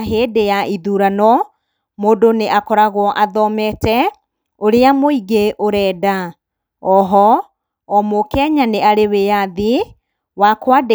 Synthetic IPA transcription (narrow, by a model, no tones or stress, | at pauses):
ɦeːdejaʔiðuɾanɔ | moːdoneʔakɔɾaɣwɔʔaðɔmɛtɛ | oɾeamoiɣeʔoɾɛːda | ɔɦɔ | ɔmokɛɲaneaɾewejaði | wakwade